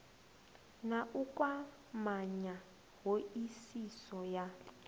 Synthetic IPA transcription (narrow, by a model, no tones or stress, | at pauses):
naʔukʼwa | maɲa | ɦoisisɔja